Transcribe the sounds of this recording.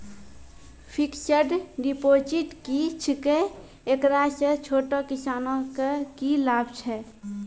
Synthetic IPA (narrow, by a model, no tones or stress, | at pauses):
pʰiksəɾɖɖipoːd͡ʒiʈkit͡ʃʰike | ekɾaset͡ʃʰoːʈokisaːnõkekilaːbt͡ʃʰɛ